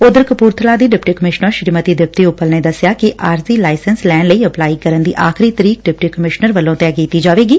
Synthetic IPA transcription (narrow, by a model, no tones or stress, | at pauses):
ʊd̪əɾkəpuːɾt̪ʰlaːd̪iːɖɪpʈiːkəmɪʃnəɾʃɾiːmət̪iːd̪ɪp̚t̪iːʊpːəlneːd̪əsjaːkɪʔaːɾsiːlaːɪsənslɛːnləiːəplaːiːkəɾənd̪ḭːʔaːkʰɪɾiːt̪əɾiːk̚ɖɪpʈiːkəmɪʃnəɾʋəlõːt̪ɛkiːt̪iːd͡ʒaːʋeːɡiː